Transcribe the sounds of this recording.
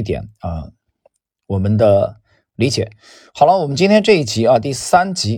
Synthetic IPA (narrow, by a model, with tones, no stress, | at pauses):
t̪̬jɛ̰˨˩˦nə˧ | wɔ˨˩mə˦nd̪ə˧ | li˧˥t͡ɕjɛ˨˩˦ | xɑ˨˩ʊlɑ˧˥wɔ˨˩mə˦nt͡ɕi˥nt̪ʰjɛ˥nʈ͡ʂɤ˥˧i˥˩t͡ɕʰi˧˥ɐ˧t̪̬i˥˩sa˥nt͡ɕi˧˥